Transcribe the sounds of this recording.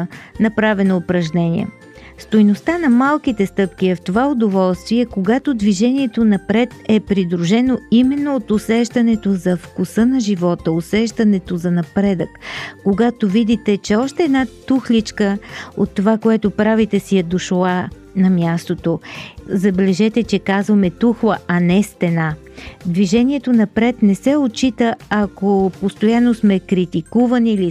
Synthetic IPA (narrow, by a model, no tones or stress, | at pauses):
nɐpɾavɛnoːpɾɐʒnɛnʲḭɛ̰ | st̪ojnost̪anɐmalˠkit̪ɛst̪ɤpk̟iɛft̪ovaod̪ovɔlˠst̪viɛkoɡat̪od̪viʒɛniɛt̪onɐpɾɛt̪ɛpɾid̪ɾuʒɛnoimɛnːoot̪ʊsɛʃt̪ɐnɛt̪ozɐfkʊsɤnɐʒivɔt̪əosɛʃt̪ɐnɛt̪ozɐnɐpɾɛd̪əkːoɡat̪ovid̪it̪ɛt͡ʃɛɔʃt̪ɛːd̪nat̪uxlit͡ʃkəot̪ːovakoɛt̪opɾavit̪ɛsijɐd̪oʃlˠa | nɐmjast̪ot̪ozɐbɛlɛʒɛt̪ɛt͡ʃɛkazvɐmɛt̪uxlˠəɐnɛst̪ɛna | d̪viʒɛniɛt̪onɐpɾɛt̪nɛsɛot͡ʃit̪əɐkopost̪ojanːosmɛkɾit̪ikuvɐnili